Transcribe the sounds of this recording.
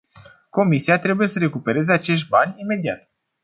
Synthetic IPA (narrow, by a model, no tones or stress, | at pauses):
ko̞misiat̪ɾe̞buje̞səɾe̞kupe̞ɾe̞zeat͡ʃe̞ʃt̪̚ʲbanʲime̞d̪iat̪